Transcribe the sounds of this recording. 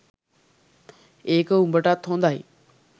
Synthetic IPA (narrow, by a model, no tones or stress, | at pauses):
eːkʊ̃mbəʈat̪ʰõːnd̪aːɦḛː